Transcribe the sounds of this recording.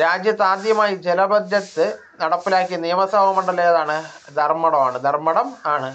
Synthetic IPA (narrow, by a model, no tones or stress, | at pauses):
ɾaːd͡ʑjɐt̪ːaːd̪jɐmaːjid͡ʑelɐbʱɐd̪jɐt̪ːɨ | nɐɽɐpːilaːkːiɐnijɐmɐsɐbɐmɐɳɖɐlːejɐðaːɳɨ | d̪ʱɐrmɐɽɐmaːɳɨd̪ʱɐrmɐɽɐmaːɳɨ